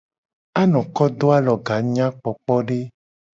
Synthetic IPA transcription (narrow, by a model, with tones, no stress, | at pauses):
a˦nɔ̃˨kɔ˦d̪o˦a˦lɔ˨ɡa˨˦ɲã˦k͡pɔ˨k͡pɔ˦ɖe˦